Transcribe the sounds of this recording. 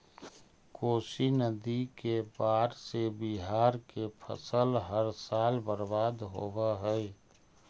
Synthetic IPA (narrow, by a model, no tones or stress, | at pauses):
koːsinəd̪ikebaːɾsebiɦaːɾkepʰə̰səlɦəɾsaːlbəɾbaːd̪ɦo̰bəɦəɛ